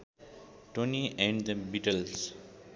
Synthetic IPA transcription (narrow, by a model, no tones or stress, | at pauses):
ʈõniɛ̃ɳɖd̪əbiʈəls